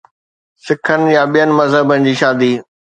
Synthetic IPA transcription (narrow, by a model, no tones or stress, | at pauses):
sɪkʰənɪ̆jaɓijənɪ̆mɐzɦəbənɪ̆d͡ʑiːʃaːd̪iː